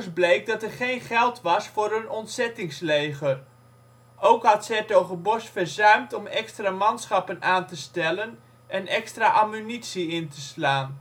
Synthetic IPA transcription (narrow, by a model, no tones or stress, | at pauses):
sblejk̚dɑtɛrχejnχɛlˠtʋɑsfʊːɾɵnɔntsɛtɪŋslejχər | owkɦɑtsɛtowχəbɔsfəɹzœɥmtɔmɛkstraːmɑnsχɑpənaːntəstɛlən | ʔɛnɛkstraːʔamynitsiɪntəslaːn